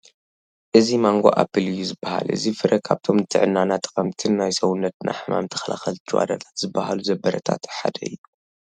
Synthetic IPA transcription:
ʔɨzimaŋɡo̞̰ʔa̰bɨlɨjːuzɨbːaha̰lʔɨ̰zifɨɾʔɐkʰaβt̪ʰo̞mnɨt̪ʰɨʕɨnːanat̪ʰːkʼɐmt̪ʰɨnːajsɐwunːɐt̪̚nʔa̰jħɨma̰mt̪ʰɨ̥xɐlʔaxɐlt͡ʃʰːɨwa̰d̪a̰t̪ʰḁt̪z̥ɨbːahaluzɐbɐɾɐt̪ʰa̰t̪ħa̰d̪ɐɨjːu

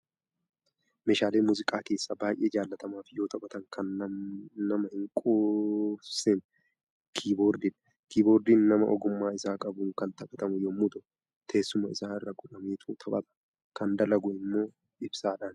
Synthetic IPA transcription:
meːʃaːleːmʊzɪkʼaːke̞ːsːɐbaːjʔeːd͡ʒaːlːɐt̪ɐmaːfɪjo̞ːt̪ɐkʼɐt̪ɐŋkʰɐnː | ɐmɐhɪŋkʼufsɛn | kʰiːboːɾd̪ɪᶑɐ | kiːbo̞ːɾd̪iːnnɐmɐ̰ʔɔɡʊmːaːɪsaːkʼɐbʊːŋkɐnt̪ɐkʼɐt̪ɐmʊjoːmʊd̪ʊ | t̪ʰe̞ːsːʊmɐɪsaːɪrːɐɡʊᶑɐmeːt̪ʰuːt̪ʰɐpʼɐt̪ʼɐ̥ | kɐnd̪ɐlɐɡʊʔɪmːo̞ː | ɪbsaːᶑaːn

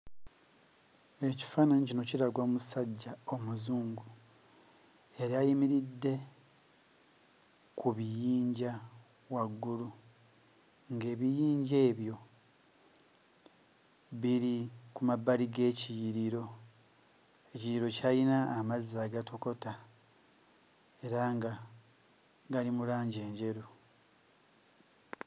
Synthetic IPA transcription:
e̞ci̥faːnanicino̞ciɾaɡwoːmusaɟːao̞muzuːŋɡu | jaɾiajimiɾidːe̞ | kʰuβijiːɲɟa | waɡːulu | ŋɡe̞ːβijiːɲɟe̞ːβjo̞ | βiɾikumabaliɡe̞ːcijiɾiɾo̞ | e̞cijiɾo̞cajinaːmazːaːɡatʰo̞ko̞ta | e̞ɾaŋɡa | ɡalimulaːɲɟe̞ːɲɟe̞ɾu

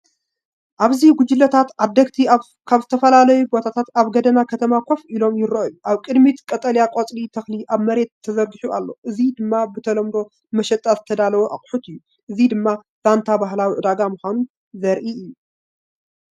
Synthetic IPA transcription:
ʔaβziɡʷʊd͡ʒɪlːɐt̪ʰat̪ʔad̪ːɐɡt̪ʰia | kʰaβzɨt̪ʰɐfɐlalɐjubo̞t̪ʰat̪ʰat̪aβɡɐd̪ɐnakʰɐt̪ʰɐmakʷʰofilo̞mjɪɾɐʔojuʔaβkʼɨd̪mit̪kʼɐt̪ʼɐljakʼot͡sʼlit̪ʰɐxliʔaβmɐɾe̞t̪ʰːɐzɐɾɡɨħuʔa̰lːo̞̰ʔɨzid̪ɨmːabɨt̪ʰɐlɐmd̪o̞ | mɐʃɛt̪ʼazɨt̪ʰɐd̪alɐwoʔaχʼħut̪ɨjːu | ʔɨzid̪ɨmːa | z̥ant̪ʰabaɦlawiʕɨd̪aɡamuxʷanun | zɐɾʔiɨjːu

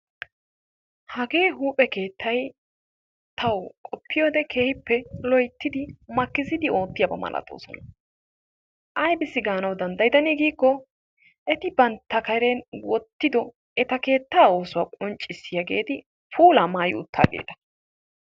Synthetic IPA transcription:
hɐɡe̞ːɦuːpʼɛke̞ːt̪ːɐj | t̪ʰɐwkʼɔpʰːɪjo̞ːd̪ɛkʰe̞ːhɪpːɛlɔjt̪ːɪd̪ɪmɐkːɪzɪd̪ɪo̞ːt̪ːɪjɐbɐ̰mɐ̰lʔɐ̰t̪ʼo̞̰ːsɔ̰nɐ | ʔɐjbɪsːɪɡaːnɐwd̪ɐnd̪ɐjd̪ɐniɡiːkːɔ | ʔɛt̪ɪbɐnt̪ːɐkɐjɾɛnwɔt̪ːɪd̪ɔ | ɛt̪ɐke̞ːt̪ːaːoːsʊwaːkʼɔnt͡ʃʼːɪsːɪjɐɡe̞̰ːt̪ɪ | pʰuːlaːmaːjɪ̰ʊt̪ʰːa̰ːɡḛːt̪ɐ̥

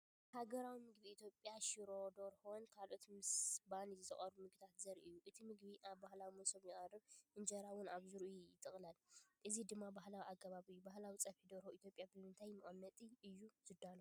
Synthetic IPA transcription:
haɡɐɾawimɨɡbiːt̪ʰjo̞pʼːjaʃiɾo̞d̪oɾhonkʰalʔot̪mɨsbanizɨχʼɐɾbumɨɡ̚t̪ʰat̪zɐɾʔɨjːuʔɨt̪ʰimɨɡbiʔaβbahlawimɐsomjɪʔʼarɨβʔɨnd͡ʒɐɾawʊnaβzɨɾʔijɪt̪ʼɨχʼlalʔɨzid̪ɨmːabahlawiʔakʰːɐβaβɨjːubahlawit͡sʼɐfid̪oɾhoʔit̪ʰjopʼjabɨmɨnt̪ʰajmɨχʼɐmːɐt̪ʼiʔɨjːuz̥ɨd̪ːano

